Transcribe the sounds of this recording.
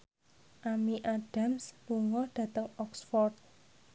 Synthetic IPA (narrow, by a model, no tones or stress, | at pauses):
ʔamiʔaɖ̥a̤msluŋɔɖ̥ä̤t̪əŋɔksfɔrt̪̚